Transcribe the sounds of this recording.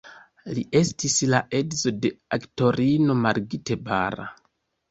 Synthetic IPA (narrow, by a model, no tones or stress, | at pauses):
lie̞stislaʔe̞dzo̞de̞akto̞ɾino̞maɾɡite̞ba̰ɾa̰